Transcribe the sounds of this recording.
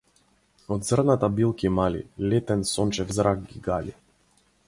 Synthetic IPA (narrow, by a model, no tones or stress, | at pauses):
ɔd̪zrnat̪abilˠkimalḭlɛt̪ɛnsɔnt͡ʃɛvzɾak̚ɡiɡali